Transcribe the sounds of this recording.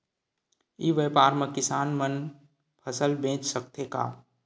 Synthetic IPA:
iːʋepaːɾmẽkɪsaːnmən | pʰəsəlbẽːt͡ʃsək̚t̪ʰeka̰ː

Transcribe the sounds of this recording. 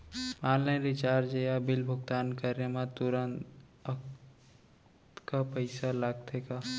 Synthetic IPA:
maːlləɾit͡ʃaɾd͡ʒejabɪlbʱʊɡt̪ankəɾemãt̪uɾənt̪ | ək | t̪kapəɪsalaɡ̚t̪eka

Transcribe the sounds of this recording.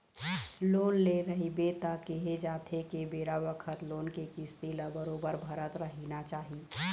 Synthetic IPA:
loːnleɾəɦibet̪akeɦed͡ʒaːt̪ʰekebeːɾabəkʰət̪loːnkekist̪iləbəɾoːbəɾbʱəɾət̪ɾəɦinat͡ʃaːɦi

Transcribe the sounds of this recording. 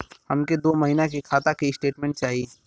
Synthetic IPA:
hɐmked̪oːmɐɦinakekʰaːt̪akiɪsʈeːʈmɛ̃ɳʈ̚t͡ʃaːɦie

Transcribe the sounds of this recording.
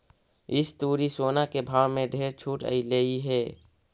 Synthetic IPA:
ɪst̪uːɾisoːnakebʱaːʋmẽɖʱeːɾt͡ʃʰuːʈə̰ileiɦɛː

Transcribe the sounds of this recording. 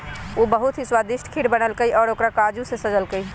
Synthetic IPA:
oːbəɦut̪ɦiswad̪ɪʃʈʰkʰiɽbənəlkəiʔɔːɾoːkɾakad͡ʒũsesəd͡ʒəlkəi

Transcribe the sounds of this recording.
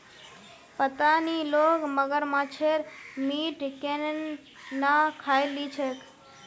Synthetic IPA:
pət̪anilokməɡəɾmãt͡ʃʰeɾmiʈken | nakʰajlit͡ʃʰek

